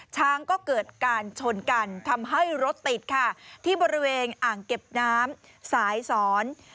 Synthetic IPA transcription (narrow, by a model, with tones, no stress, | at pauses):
t͡ɕʰaː˦˥ŋkɔː˥˩kɤː˨˩t̪̚kaː˧nt͡ɕʰo˧nka˧nt̪ʰa˧mɦa˥˩jɾo˦˥t̪ːi˨˩t̪̚kʰa˥˩t̪ʰiː˥˩bɔː˧ɾi˦˥weː˧nʔaː˨˩ŋke˨˩p̚naː˦˥m | saː˩˦jsɔː˩˦n